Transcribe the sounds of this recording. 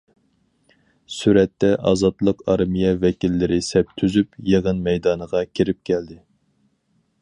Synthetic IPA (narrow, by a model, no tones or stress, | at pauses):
syɾɛt̪ːɛʔɑ̰zɑt̪lˠəqɑɾmijɛvɛkʲilːɪɾɪsɛp̚t̪ʰyzypjeʁənmɛjd̪ɑːnəʁɑkʲʰiɾɪp̚kʲʰɛld̪ɪ